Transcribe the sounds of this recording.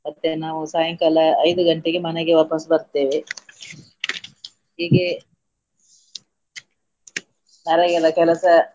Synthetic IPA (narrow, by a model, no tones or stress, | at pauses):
mɐt̪ːenaːʋusaːjɐŋkɐlɐːjd̪uɡɐɳʈeɡemɐneɡeʋɐːpɐsbɐɾt̪ːeːʋe | ɦiːɡe | nɐɾɐɡɐd̪ɐkɛlɐsɐ